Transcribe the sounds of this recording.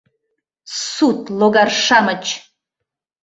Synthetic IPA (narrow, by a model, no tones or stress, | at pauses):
sut̪loɡarʂamət͡ʃʰ